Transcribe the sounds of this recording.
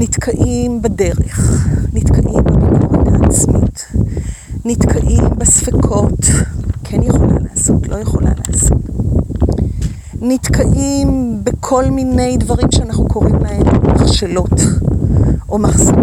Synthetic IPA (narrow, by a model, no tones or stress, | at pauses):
nitkʰaʔimbade̞ʁeχnitkʰaʔimbamamutaːt͡smḭt | nitkʰaʔimbesfekʰo̞tkʰɛnjeχo̞la̰laːso̞tʰlo̞jeχo̞la̰la̰ːso̰t | nitkʰaʔimbekʰo̞lmine̞jdvaʁimʃeanaχnukʰo̞ʁimlahemmaχʃelo̞t | ʔo̞maχso